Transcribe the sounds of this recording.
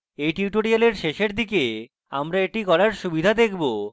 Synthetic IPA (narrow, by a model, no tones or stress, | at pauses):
ejʈiuʈoɾialeɾʃeʃeɾd̪ike | a̰mɾaeʈikɔɾaɾʃubid̪ʱad̪ekʰbo